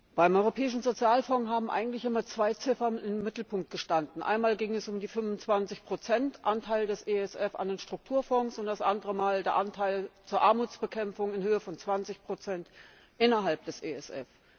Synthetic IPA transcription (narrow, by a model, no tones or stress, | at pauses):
b̥aɪmʔɔʏʁopʰɛːɪʃn̩zot͡sjaːlfɔŋɦaːbm̩ʔa̰ɪɡŋ̩tlɪçʔɪmɐt͡sv̥aɪt͡sɪfɐɪnmːɪtl̩pʊŋk̚t̚ɡ̥əʃtandn̩ʔa̰ɪnmaːlɡɪŋɛsʊmdiːfʏnvʊnt͡sv̥ant͡sɪçpʁ̥ot͡sɛntʔantʰaɪldɛsʔeːɛsʔɛfa̰ndeːnʃtʁ̥ʊk̚tʰuːɐfɔŋsʊntd̥asʔandəʁəmaːldeːɐʔantʰaɪlt͡suːɐʔaɐmuːt͡sb̥əkʰɛmfʊŋɪnhøːəfɔnt͡sv̥ant͡sɪçpʁ̥ot͡sɛnt | ʔɪnɐɦalp̚d̥ɛsʔḛːɛsʔɛ̰f